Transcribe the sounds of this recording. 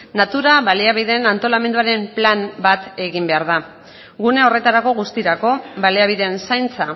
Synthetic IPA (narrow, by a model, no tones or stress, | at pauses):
nat̪uɾaβaliaβ̞iðe̞nant̪o̞lame̞nd̪uaɾe̞mplanbat̪e̞ɣimbe̞aɾða | ɣune̞o̞re̞t̪aɾako̞ɣust̪iɾako̞βaliaβ̞iðe̞nsajnt͡sa